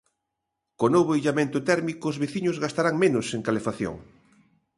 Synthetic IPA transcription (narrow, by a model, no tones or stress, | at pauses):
konoβejʎamẽnt̪ʊt̪ɛɾmikoːzβeθiɲʊzɣast̪aɾaŋmẽnʊseŋkalefaθjo̰ŋ